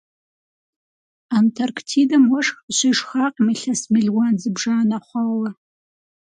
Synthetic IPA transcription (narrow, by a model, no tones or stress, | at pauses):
antʰarkʰtʰidɐmwɐʂxɕʷiʂxaːqʼmiɬɐsmiɮwanzɨbʐaːnɐχʷɑːwɐ